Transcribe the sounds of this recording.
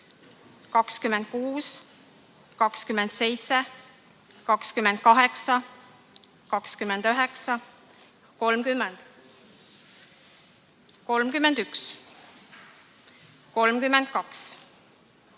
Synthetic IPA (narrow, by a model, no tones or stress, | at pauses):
kɑkskymend̪̥̚kuːs | kɑkskymend̪̥se̞jt̪se | kɑkskymend̪̥̚kɑɦe̞ksɑ | kɑkskymend̪̥øɦeksɑ | ko̞lmkymːend̪̥ | ko̞lmkymend̪yks | ko̞lmkymːend̪̥kɑks